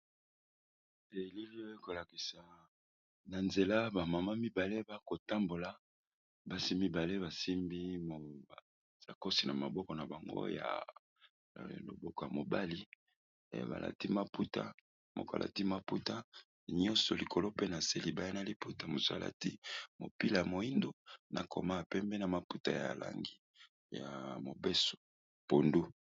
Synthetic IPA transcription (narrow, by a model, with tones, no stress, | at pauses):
e˨li˦li˦o˦e˦ko˨la˨ki˨sa˨ | na˨nze˨la˦ba˨ma˨ma˦mi˦ba˨le˦ba˦ko˨ta˦mbo˨la˨ | ba˦si˦mi˦ba˨le˦βa˨si˦mbi˦mo̥˨ | a̰˨ko˦si˨na˨ma˨bɔ˦kɔ˨na˨ba˨ŋɡo̰˦ja̰˨ | lo̰˨bɔ˦kɔ˨ja˨mo˨ba̰˦li˦˨ | ba̰˨lʔa̰˨ti˦ma˦pu˦ta̰˨ | mɔ̰˦ka̰˨ʔa̰˨ti˦ma˦pu˦ta˦˨ | ɲɔ˦nsɔ˨li˨kʰo˨lo˦pe˦na˨se˦li˨ba˦a˦na˦li˦pu˦ta˨mo˨so˦a˨la̰˨ti˦mo̰˨pi˦la˨a˨mo˨i˦ndo˨nʔa̰˨kʰo̰˨ma˦˨pɛ˦mbe˦na˨ma˨pu˦ta˨ja̰˨la̰˨ŋɡi˦ | ja̰˨mo˨bɛ˦so̥˨ | po˨ndu˦